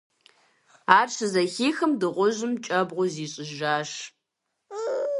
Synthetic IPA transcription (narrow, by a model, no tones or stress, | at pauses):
aːrʂʰɨzɐxiːxɨmdɨʁʷʊʒɪmt͡ʃʼɐbʁʷʊziːɕʼɪʒaːʃ